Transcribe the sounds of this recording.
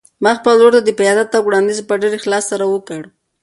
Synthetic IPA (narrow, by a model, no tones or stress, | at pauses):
maxpəloɾd̪ad̪əpajɑd̪at̪ːawɽɑnd̪izpəɖeɾexlɑsːaɾawəkəɽ